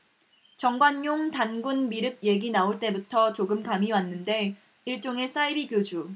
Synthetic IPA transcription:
t͡ɕʌŋɡwanːoŋtanɡunmiɾɯk̚je̞ɡinaoɭt͈e̞butʰʌt͡ɕoɡɯmkamiwanːɯnde̞ | iɭt͡ɕ͈oŋe̞s͈ʰaibiɡjod͡ʑu

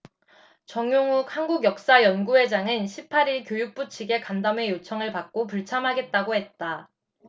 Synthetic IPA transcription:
t͡ɕʌŋjoŋukhanɡuɡjʌk̚s͈ajʌnɡuɦe̞d͡ʑaŋɯnɕʰipʰaɾiɭkjojuk̚p͈ut͡ɕʰiɡe̞kandame̞jot͡ɕʰʌŋɯɭpak̚k͈opuɭt͡ɕʰamɦaɡe̞t̚t͈aɡohe̞t̚t͈a

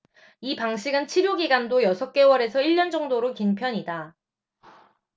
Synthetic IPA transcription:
ipaŋɕʰiɡɯnt͡ɕʰiɾjoɡiɡandojʌsʰʌk͈e̞wʌɾe̞sʰʌiʎːʌnd͡ʑʌŋdoɾokinpʰjʌɲida

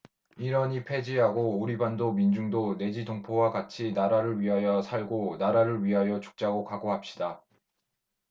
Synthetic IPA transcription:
iɾʌɲipʰe̞d͡ʑiɦaɡouɾibandomind͡ʑuŋdone̞d͡ʑidoŋpʰowaɡat͡ɕʰinaɾaɾɯɭɥiɦajʌsʰaɭɡonaɾaɾɯɭɥiɦajʌt͡ɕu̥k̚t͡ɕ͈aɡokaɡoɦap̚ɕ͈i̥da

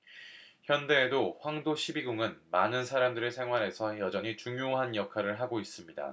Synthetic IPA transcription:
çjʌnde̞ːdoɸwaŋdoɕʰibiɡuŋɯnmanɯnsʰaɾamdɯɾe̞sʰe̞ŋɦwaɾɦe̞sʰʌjʌd͡ʑʌɲit͡ɕuŋjoɦanjʌkʰaɾɯɭɦaɡois͈ɯmɲida̰

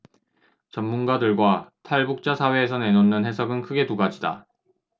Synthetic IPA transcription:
t͡ɕʌmːunɡadɯɭɡwatʰaɭbuk̚t͡ɕ͈asʰawe̞ːsʰʌne̞nonːɯnhe̞sʰʌɡɯnkʰɯɡe̞tuɡad͡ʑida̰

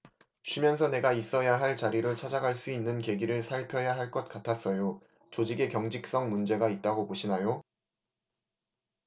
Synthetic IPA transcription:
t͡ɕʰimjʌns̬ʰʌne̞ɡais͈ʌjaɦaɭt͡ɕaɾiɾɯɭt͡ɕʰad͡ʑaɡaɭs͈uinːɯnke̞ɡiɾɯɭsʰaɭpʰjʌjaɦaɭk͈ʌt̚k͈atʰas͈ʌjo | t͡ɕod͡ʑiɡe̞kjʌŋd͡ʑik̚s͈ʌŋmund͡ʑe̞ɡait̚t͈aɡopoɕʰinajo

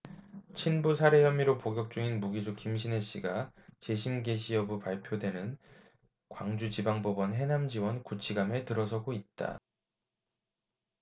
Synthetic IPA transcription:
t͡ɕʰinbusʰaɾe̞jʌmiɾopoɡjʌk̚t͡ɕ͈uŋinmuɡisʰukimɕ̬ʰine̞ɕ͈iɡat͡ɕe̞ɕʰinɡe̞ɕʰiʌbupaɭpʰjodwe̞nɯn | kwaŋd͡ʑut͡ɕibaŋbobʌnɦe̞namd͡ʑiwʌnkut͡ɕʰiɡametɯɾʌsʰʌɡoit̚t͈a̰

